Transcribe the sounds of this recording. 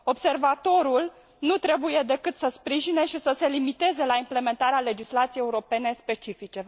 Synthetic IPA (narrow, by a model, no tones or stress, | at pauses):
o̞bse̞rvat̪o̞ɾul | nut̪ɾe̞buje̞d̪e̞kɨt̪səspɾiʒine̞ʃisəse̞limit̪e̞ze̞laimple̞me̞nt̪aɾeale̞d͡ʒislat̪siejeuɾo̞pe̞ne̞spe̞t͡ʃifit͡ʃe̞